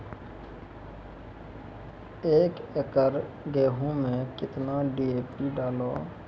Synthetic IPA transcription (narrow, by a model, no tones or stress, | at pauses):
eːkekəɾ | ɡeːɦũmẽkɪt̪naɖiːeːpiɖaːloː